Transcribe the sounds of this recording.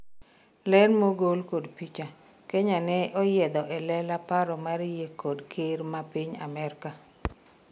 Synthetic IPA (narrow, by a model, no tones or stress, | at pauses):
lɛnmoɡolkodpit͡ʃa | keɲanɛʔɔjɛd̪ɔʔɛlɛlapaɾɔmaɾjekodkʰeɾmapɪɲa̰mɛrka